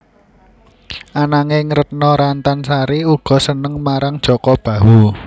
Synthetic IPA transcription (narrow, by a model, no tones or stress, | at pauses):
ʔanaŋɪŋɾət̪̚nɔɾant̪ansaɾiuɡ̥ɔ̤sənəŋmaɾaŋd̥ʒ̥ɔ̤kɔb̥ä̤ɦwu